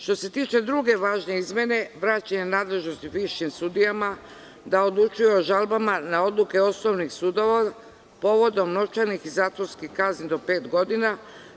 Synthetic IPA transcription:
ʃt̪o̞se̞t̪iːt͡ʃe̞d̪ɾuɡe̞ʋaːʒne̞izmje̞ne̞ʋɾaːt͡ɕaɲenaːd̪le̞ʒnost̪iʋiʃimsud̪ijama | d̪ao̞d̪lˠut͡ʃujeoʒalbamanao̞d̪lˠuke̞o̞snoʋnixsuːd̪o̞ʋa | po̞ʋo̞d̪o̞mno̞t͡ʃaɾnixizaːt̪ʋoɾskixkaznind̪o̞pe̞ːt̪ɡo̞d̪ina

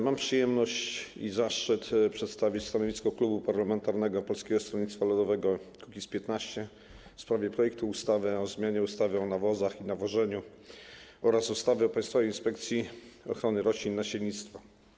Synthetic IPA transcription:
mampʂɨjɛmnɔɕt͡ɕizaʂt͡ʂɘt̪pʂɛt̪st̪avʲit͡ɕst̪anɔvʲiskɔklubupaɾlamɛnt̪aɾnɛɡɔpɔlskʲɛɡɔst̪ɾɔlɲit̪st̪falud̪ɔvɛɡɔkukʲispʲjɛt̪naɕt͡ɕɛ | fspɾavʲjɛpɾɔjɛk̚t̪uust̪avɘɔzmʲjaɲɛust̪avʲjɛɔnavɔzaxinavɔʐɛɲu | ɔɾasust̪avɛɔpaj̃st̪favɛjinspɛkt̪sʲjiɔxɾɔnɘɾɔɕlʲinːaɕɛlɲit̪st̪fa

